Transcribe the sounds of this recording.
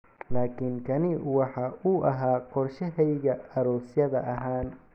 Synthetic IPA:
laːkʰɪŋkʰɐnɪwɑħɑːʔʊʔɐɦaːqɔrʃɛɦɛjɣɐɐɾɔːsjɐðɐʔɐɦaːn

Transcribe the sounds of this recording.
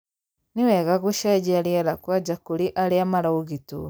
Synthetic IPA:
niwɛɣaɣuʃad͡ʒɛɾiaɾakwad͡ʒakuɾiʔaɾeamaɾauɣitṵ

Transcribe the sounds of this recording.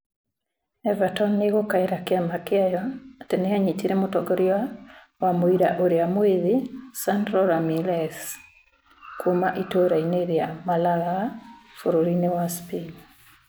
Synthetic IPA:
ɛvatɔnːeɣokaeɾakeamakeajɔateneaɲitiɾemotɔɡoɾia | wamoiɾaʔoɾeamoiðisandɾɔɾamilɛs | kwomaʔitoɾaineɾeamalaɣafoɾoɾinewaspil

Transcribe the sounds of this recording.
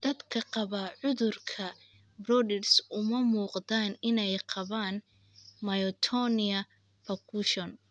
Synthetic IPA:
d̪̥ɐd̪kʰɐqɑβɐʕʊðʊrkʰɐ | brɔdɛɖsʊmɐmuːqd̪aːnɪnɛjqɑβaːn | mɐjɔt̪ʰɔnɪɐ | pʰɐkʰuʃɔn

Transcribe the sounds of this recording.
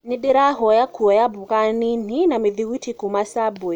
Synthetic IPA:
niɗiɾaɦɔjakuɔjabukanin̥inamiðiwitʰikumasabɔ

